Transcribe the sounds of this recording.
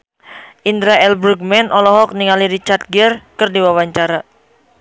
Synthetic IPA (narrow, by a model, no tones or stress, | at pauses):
ʔind̪ɾaɛlbɾuɡ̚mɛnʔɔlɔɦɔk̚niŋaliɾit͡ʃart̪̚ɡɛrkɨrdiwawaɲt͡ʃaɾa